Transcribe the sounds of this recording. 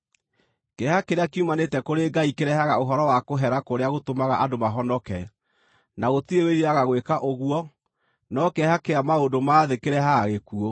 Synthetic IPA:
kɛhakeɾeakumanetɛkoɾeɡaikeɾɛhaɣaoɦɔɾɔwakoɦɛɾakoɾeaɣotomaɣaʔadomaɦɔnɔkɛ | naɣotieweɾiaɣaɣwekaʔoɣwɔ | nɔkɛhakeamaondomaːðekeɾɛhaɣekuo

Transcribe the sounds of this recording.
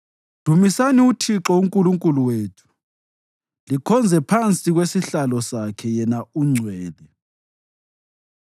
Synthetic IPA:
d̥ʱumisaniutʰiǁɔuŋkʼuluŋkʼuluweːtʰu̥ | likʰɔnd͡zʱɛpʰant͡sʼiɣwesiɬalɔsakʰɛjɛnauŋ͡ǀʱwɛːðɛ

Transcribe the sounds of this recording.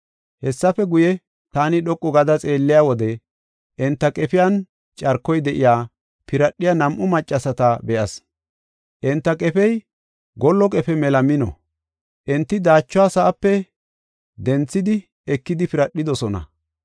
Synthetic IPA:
hɛsːɐfɛɡʊjɛ | t̪aːnɪɗɔkʼːɔɡɐd̪ɐt͡sʼeːlːɪjaːwɔd̪ɛ | ʔɛnt̪ːɐkʼɛpɪjan | t͡ʃʼɐɾkːɔjd̪ɛʔɪjaː | pɪɾɐɗːɪjɐnɐmʔʊmɐt͡ʃʼːɐsɐt̪ɐbɛʔɐs | ʔɛnt̪ːɐkʼɛfɛj | ɡɔlːɔkʼɛfɛmɛlɐmɪnɔ̰ | ʔɛnt̪ːɪd̪aːt͡ʃːʊwaːsɐʔɐpːɛ | d̪ɛnt͡sːɪd̪ɪ | ɛkːɪd̪ɪpɪɾɐɗːɪd̪ɔsɔnɐ̰

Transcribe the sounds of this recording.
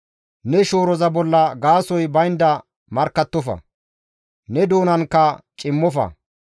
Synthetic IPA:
nɛʃoːɾɔzɐbɔlːɐɡaːsɔjbɐjnd̪ɐ | mɐɾkːɐt̪ːɔfɐ̰ | nɛd̪oːnɐnkːɐt͡ʃʼɪmːɔfɐ̰

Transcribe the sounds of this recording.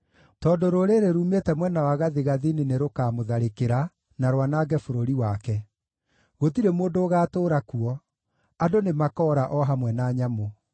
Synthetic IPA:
tɔdoɾoɾeɾeɾuːmetɛmwɛnawaɣaðeɣaðinineɾokaːmoðaɾekeɾa | naɾwanaɡɛfoɾoɾiwakɛ | ɣotiɾemoːndoːɣaːtoːɾakuɔ | adonemakɔːɾaʔɔɦamwɛnaːɲamo

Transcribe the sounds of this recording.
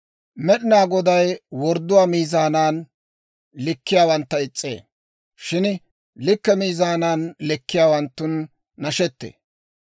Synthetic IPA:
mɛɗɪnaːɡɔd̪ɐjwɔɾd̪ʊwaːmiːzaːnaːn | lɪkːɪjaːwɐnt̪ːɐɪt͡sʼːḛː | ʃɪn | lɪkːɛmiːzaːnaːnlɪkːɪjaːwɐnt̪ːʊnː | ɐʃɛt̪ːḛː

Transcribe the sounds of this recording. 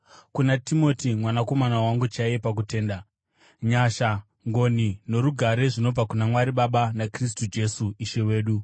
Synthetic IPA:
kunatimo̞timwanako̞manawaŋɡut͡ʃajepak̬ute̞ːnda | ɲaʃa | ŋɡo̞nino̞ɾuɡʱaɾe̞ʐino̞b͡vakunamwaɾiɓaɓanakris̬tud͡ʒe̞suiʃe̞we̞ːɗu

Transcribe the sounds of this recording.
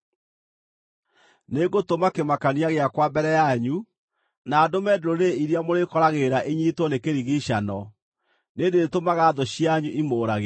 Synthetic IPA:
neɡotomakemakaniaɣeakwabɛɾɛjaɲu | naːdomɛdeɾoɾeiɾjamoɾekɔɾaɣeɾaʔeɲiːtwɔnekeɾiɣiɕanɔ | nedeetomaɣaːðoɕjaɲuʔimoːɾaɣe

